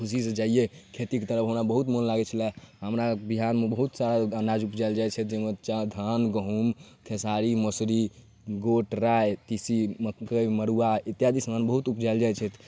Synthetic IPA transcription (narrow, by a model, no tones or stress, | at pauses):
kʰusised͡ʒaijekʰet̪iket̪əɾəpɦəmɾabəɦut̪monlaɡɛt͡ʃʰəlɛɦəmɾabiɦanmebəɦut̪saɾaənad͡ʒupd͡ʒaɪld͡ʒajt͡ʃʰɛt̪̚d͡ʒemət̪t͡ʃad̪ʱanɡəɦumkʰesaɾimosɾi | ɡoʈɾajt̪isiməkəjməɾuait̪jad̪isəmanbəɦut̪upd͡ʒaɪld͡ʒajt͡ʃʰɛt̪ʰ